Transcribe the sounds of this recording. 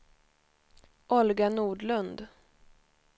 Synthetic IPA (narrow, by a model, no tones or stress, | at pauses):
ʔɔlɡanuːɖlɵnd̪